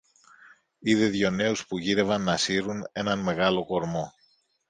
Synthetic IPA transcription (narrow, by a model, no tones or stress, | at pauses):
iðe̞ðʝo̞ne̞uspuʝiɾe̞vɐnːɐsiɾune̞nɐnme̞ɣɐlo̞ko̞ɾmo̞